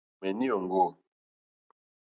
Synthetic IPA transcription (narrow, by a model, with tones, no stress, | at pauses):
mɛ˨ni˦o˨ŋ˨ɡo˦˨